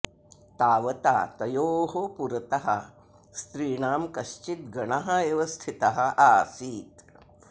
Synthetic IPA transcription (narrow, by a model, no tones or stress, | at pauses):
t̪aːʋɐt̪a̰ːt̪ɐjoːɦopuɾɐt̪ɐɦɐ̰ | st̪ɾiːɳaːmkɐʃt͡ʃit̪̚ɡɐɳɐɦɐeʋɐst̪ʰit̪ɐɦɐ̆aːsiːt̪